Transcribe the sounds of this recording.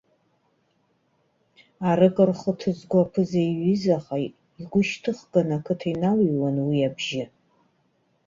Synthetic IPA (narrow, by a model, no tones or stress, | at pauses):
aɾɨkʼɨrχətʰɨzɡʷapʰɨzajɥizaχaj | iɡʷʊʃtʰɨχɡanakʰɨtʰainawiwanwiabʒɪ